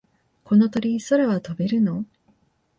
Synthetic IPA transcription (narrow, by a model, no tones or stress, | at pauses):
ko̞no̞t̪o̞ɾʲiso̞ɾeβat̪obe̞ɾɯ̟no̞